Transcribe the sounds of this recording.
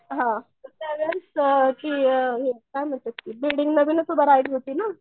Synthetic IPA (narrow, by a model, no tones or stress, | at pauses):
ɦã | ət̪aʋaskiːɦĩkajm̤əɳt̪əkkiːbilɖiŋɡnəʋinət̪ubʱəɾajʈɦot̪iːna